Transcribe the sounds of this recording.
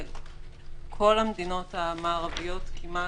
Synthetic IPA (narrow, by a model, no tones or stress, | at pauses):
kʰo̞lhamdino̞thamaːʁavijo̞tkʰima